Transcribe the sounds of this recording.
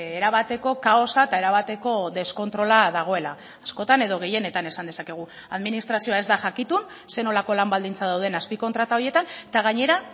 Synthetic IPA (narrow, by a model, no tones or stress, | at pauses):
eɾaβ̞at̪e̞ko̞kaosaet̪ae̞ɾaβat̪e̞ko̞ðe̞sko̞nt̪ɾo̞laðaɣ̞o̞e̞laː | sko̞t̪ane̞ð̞o̞ɣe̞je̞ne̞t̪ane̞sand̪e̞sake̞ɣ̞u | aðminist̪ɾasio̞ae̞zd̪aʝakit̪un | se̞no̞lako̞lambald̪int͡sað̞awðe̞naspiko̞nt̪ɾat̪ao̞ɾje̞t̪ant̪aɣ̞aɲe̞ɾa